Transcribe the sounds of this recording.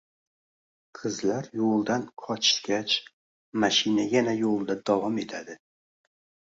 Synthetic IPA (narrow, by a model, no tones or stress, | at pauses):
qʰɨzlaɾjolˠd̪anqʰɒt͡ʃʰɪ̥sɡʲat͡ʃ | maʃɪnajanajolˠd̪ad̪ɒvɒme̞t̪ʰad̪ɪ